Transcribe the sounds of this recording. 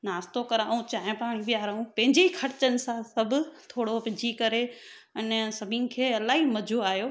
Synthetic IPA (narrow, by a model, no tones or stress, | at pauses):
naːst̪okɐɾaːũt͡ɕaːɦɪ̃paːɽ̃iʋijaːɾaːũpɐ̃ɦɪ̃ɲd͡ʑeikʰɐɾt͡ɕənɪ̆sãsɐbʱʊ̆t̪ʰoːɽopɪ̃d͡ʑikɐɾe | ɐnsɐbʱinɪ̆kʰeːɐlaːɦimɐd͡ʑʱoaːɦijoː